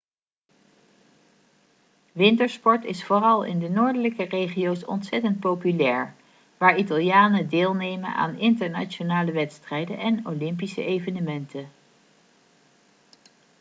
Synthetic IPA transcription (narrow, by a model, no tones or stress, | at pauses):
ʋɪntəɹspɔɹtɪsfoːrɑlˠɪ̰ndənoːɹdələkərejχijowsɔ̰ntsɛtənt̚powpylɛːɹ | ʋaːɹitɑlˠjaːnədeːlˠnejmə̰na̰ːnɪntəɹna̰t͡ʃonaːləʋɛtstrɛjdə̰nʔɛnolɪmpisə̰ʔejvənəmɛntə